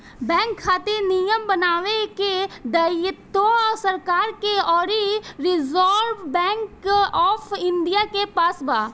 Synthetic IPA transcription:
bɛ̃ːŋkʰːaːt̪enijəmbənaːʋeked̪əjɪt̪oɔːɾsəɾkaːɾkeɔːɾiɾɪzɔːɾʋbɛ̃ːŋkɔːfʰɪ̃nɖ̪ijakepaːsbaː

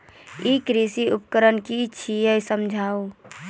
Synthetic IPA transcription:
ikɾisiupkəɾənkit͡ʃʰijəjsəmd͡ʒʱau

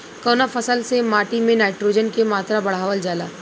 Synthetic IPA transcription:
kɔːnafɐsəlsemaːʈimẽnaːɪʈɾoːd͡ʒənkemaːt̪ɾabɐɽ̤aːʋəld͡ʒaːlaː

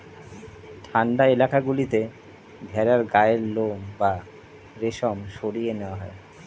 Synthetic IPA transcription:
ʈʰaɳɖaelakaɡulit̪e | bʱɛɾaɾɡaeeɾlomba | ɾeʃomʃoɽijeneoaɦɔe

